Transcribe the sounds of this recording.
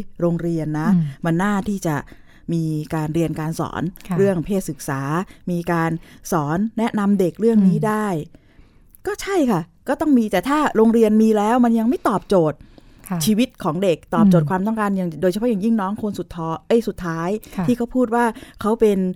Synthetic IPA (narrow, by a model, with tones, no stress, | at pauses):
ɾoː˧ŋɾi˧ənːa˦˥ma˧nːaː˥˩t̪ʰiː˥˩t͡ɕa˨˩ | miː˧kaː˧nɾi˧ənkaː˧nsɔ̰ː˩˦nʰɾɯ˥˩əŋpʰeː˥˩t̪̚sɯ˨˩k̚saː˩˦miː˧kaː˧nsɔː˩˦nːɛ˦˥na˧mde˨˩k̚ɾɯ˥˩əŋniː˦˥daː˥˩j | kɔː˥˩t͡ɕʰa˥˩jkʰa˥˩kɔː˥˩t̪ɔ˥˩ŋmiː˧t̪ɛː˨˩t̪ʰaː˥˩ɾoː˧ŋɾi˧ənmiː˧lɛː˦˥wma˧nja˧ŋma˥˩jt̪ɔː˨˩p̚t͡ɕoː˨˩t̪̚ | t͡ɕʰiː˧wi˦˥t̪̚kʰɔː˩˦ŋde˨˩k̚t̪ɔː˨˩pt͡ɕoː˨˩kʰwaː˧mt̪ɔ˥˩ŋkaː˧nja˨˩doː˧jt͡ɕʰpʰɔ˦˥ja˨˩ŋji˥˩ŋnɔː˦˥ŋkʰo˧nsu˨˩t̪ʰːɔː˦˥ʔɤ˦˥˩jsu˨˩t̪ʰːaː˦˥jʰiː˥˩kʰa˥wpʰuː˥˩t̪̚waː˥˩kʰa˦˥wpe˧n